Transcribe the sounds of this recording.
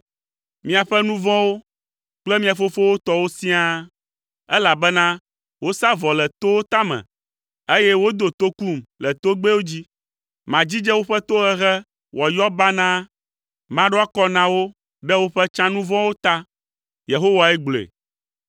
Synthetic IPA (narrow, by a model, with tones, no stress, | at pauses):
mĩ˦a˨ɸɛ˦nũ˦vɔ̃˦wo˦ | k͡plɛ˦mĩ˦a˨fo˦fo˦wo˦t̪ɔ˦wo˦si˦a˦ | ɛ˦la˨bɛ˦nã˦ | wo˦sa˦vɔ˨lɛ˨t̪o˦wo˦t̪a˦mɛ̰̃˨ | e˦jɛ˦wo˦d̪o˨t̪o˦ku˦˨mlɛ˨t̪o˦ɡ͡be˦wo˦d͡ʑi˦ | mã˨d͡ʑi˦d͡ʒɛ˦wo˦ɸɛ˦t̪o˦ɣɛ˦ɣɛ˦ | wɔ˨jɔ˦ba˦nã˦ | mã˦ɖo˦a˦kɔ˦nã˨wo˦ | ɖɛ˦wo˦ɸɛ˦t͡ʃã˦nũ˦vɔ̃˦wo˦t̪a˦ | je˨ɦo˦wa˨ɛ˦ɡ͡blḛ˨